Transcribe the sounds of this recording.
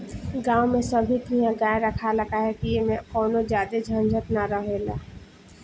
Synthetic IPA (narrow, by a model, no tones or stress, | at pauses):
ɡãːwmẽsɐbʱit̪ijãɡaːeɾəkʰalɐkaɦɛk̪ijemẽkɔːnod͡ʒjaːd̪ed͡ʒʱãnd͡ʒʱət̪naɾəɦela̰ː